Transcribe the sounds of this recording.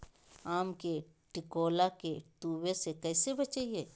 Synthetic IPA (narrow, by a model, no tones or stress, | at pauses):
aːmke | ʈɪkoːlakeʈuːwesekɛːsebɐt͡ʃaːieː